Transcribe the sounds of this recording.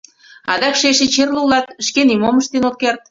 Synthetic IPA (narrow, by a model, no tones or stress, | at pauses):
ɑ̰d̪ɑkʃeʃet͡ɕerlulɑt̪ʃkenimoməʃt̪enot̪̚kert̪̚